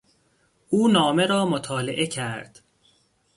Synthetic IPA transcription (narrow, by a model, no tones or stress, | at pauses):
ʔuːnɒːmeɾɒːmot̪ʰɒːleʔe̞cʰæɾd̪̥